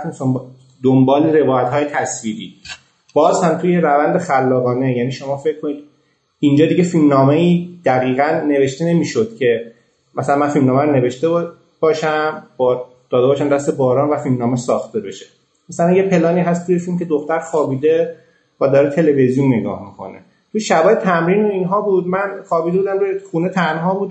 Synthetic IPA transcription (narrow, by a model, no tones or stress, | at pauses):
t̪misom | d̪ombɒːleɾe̞vɒːjæt̪hɒːjet̪ʰæsviːɾiː | b̥ɒːzhæmt̪ʰujeɾævænd̪e̞xælːɒːɣɒːne̞jæniːʃo̞mɒːfecʰkʰːonid̪̥ | ind͡ʒɒːd̪iɟe̞filmnɒːme̞iːd̪æɣiːɣænːe̞ve̞ʃt̪ene̞miːʃo̞d̪̥cʰe̞ | mæsælænmænfilmnɒːmæɾoneve̞ʃt̪e | b̥ɒːʃæmbɒ | d̪̥ɒːd̪e̞bɒːʃæmd̪æst̪e̞bɒːɾɒːnvæfilmnɒːmesɒːxt̪e̞be̞ʃe | mæsælænjepʰe̞lɒːniːɦæst̪ʰujefilmcʰe̞d̪oxt̪æɾxɒːbiːd̪e̞ | væd̪ɒːɾet̪ʰe̞le̞ve̞zijunːe̞ɡɒ̰ːhmikʰo̞̰nḛ | t̪ʰuʃæbɒːjet̪ʰæmɾiːnoiːnɦɒːbud̪mænχɒːbiːd̪ebuːd̪æmt̪ueχuːnet̪ʰænɦɒːbuːd̪